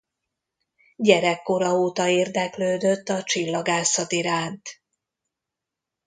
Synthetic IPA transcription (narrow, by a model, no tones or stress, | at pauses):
ɟɛɾɛkːo̞ɾɒoːt̪ɒeːrd̪ɛkløːd̪ø̞t̪ːɒt͡ʃilːɒɡaːsɒt̪iɾaːnt̪